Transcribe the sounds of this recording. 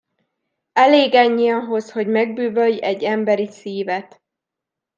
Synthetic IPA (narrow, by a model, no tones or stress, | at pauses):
ɛleːɡɒɲːiɒɦo̞sho̞ɟmɛɡ̚byːvøjɛɟːɛmbɛɾisiːvɛt̪